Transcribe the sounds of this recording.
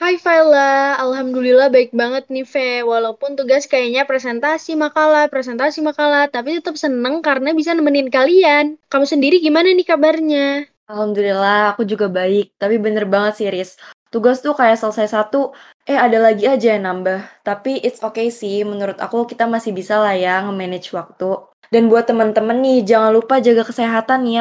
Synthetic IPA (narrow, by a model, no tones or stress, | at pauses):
hajfallaalɦamdulilahbaɪk̚baŋət̪̚nifɛwalaupʊnt̪uɡaskajaɲapɾɛsɛnt̪asimakalapɾesɛnt̪asimakalat̪apit̪ət̪əp̚sənəŋkarənabisanəmənɪnkaliankamusəndiɾiɡimananikabarɲa | alhamd̪ulilahakud͡ʒuɡabaɪk̚t̪apibənərbaŋət̪siɾɪst̪uɡast̪ukajaʔsələsajasat̪u | ʔɛhadalaɡiad͡ʒajanambaht̪apiʔɪt̪sokejsɪhmənuɾʊt̪a̰kukit̪amasɪhbisalahjaŋəmɛnɛd͡ʒwak̚t̪u | danbuat̪ːəmənt̪əmənːɪhd͡ʒaŋanlupad͡ʒaɡakəseɦat̪anja